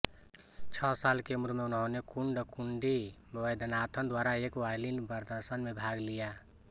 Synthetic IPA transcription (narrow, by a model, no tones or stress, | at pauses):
t͡ʃʰɔsalkemuɾmeunɦonekuɳɖkuɳɖibəjd̪ənat̪ʰənd̪waɾaekwajlinbəɾd̪əɾsənmebʱaɡlija